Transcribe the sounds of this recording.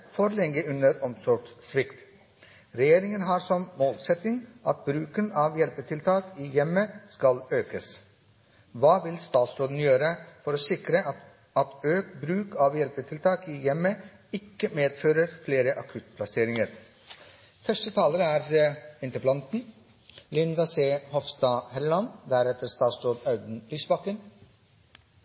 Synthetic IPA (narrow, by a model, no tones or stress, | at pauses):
fɔɾlɛŋːəʉnəɾɔmsɔɡssʋɪkt̪ | ɾɛjeːɾɪŋənɦɑɾsɔmmoːlsɛt̪ɪŋʔɑt̪̚bɾʉːkənɑʋjɛlpət̪ʰɪlt̪ʰɑːkiːjɛməskɑløːkəs | ʋɑːʋɪlst̪ɑːt̪sɾoːd̪n̩jøːɾəfɔɾoːsɪkɾə | ɑt̪øːkbɾʉːkʰɑʋjɛlpət̪ʰɪlt̪ʰɑːkɪjɛmːə | ɪkːəmeːd̪føːɾəɾfleːɾəʔɑkʰʉt̪̚pʰlɑseːɾɪŋəɾ | fœʂʈət̪ʰɑːləɾəæɾɪnt̪əplɑnt̪n̩ | lɪnd̪ɑseːhɔʋst̪ɑːhɛllɑnd̪æɾɛt̪əɾst̪ɑːt̪sɾoːd̪nɑʉd̪n̩lyːsbɑkːən